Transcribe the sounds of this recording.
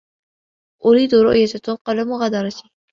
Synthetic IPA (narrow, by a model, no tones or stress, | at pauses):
ʔʊɾiːd̪ʊɾʊ̰ʔjat̪at̪ʊqɑlamʊɣaːd̪ɑɾˤɑt̪i